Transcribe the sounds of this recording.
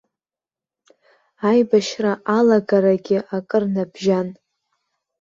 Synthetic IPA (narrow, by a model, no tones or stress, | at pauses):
ajbaʃraʔalaɡaɾaɡʲɪakʼɨrnabʒan